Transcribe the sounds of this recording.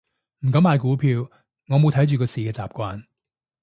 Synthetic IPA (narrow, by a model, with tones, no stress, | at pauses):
m̩˨˩kɐ˨˧˥maː˨jkuː˨˥pʰiː˧w | ŋɔː˨˧mo˨˧wt̪ʰɐ˨˥jt͡ʃyː˨kɔː˧siː˨kɛː˧t͡sa̰ː˨p̚kʷwaː˧n